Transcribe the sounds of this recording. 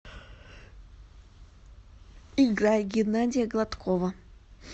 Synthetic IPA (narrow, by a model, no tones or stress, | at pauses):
iɡɾajʲɡʲɪnadʲɪjəɡlˠat̪kʰovə